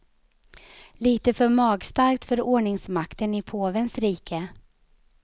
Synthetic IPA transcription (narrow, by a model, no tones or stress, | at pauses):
liːt̪əfœɾmɑːɡst̪aɾk̚t̪fœɾoːɳɪŋsmakt̪ənɪpʰoːvənsɾiːkʰə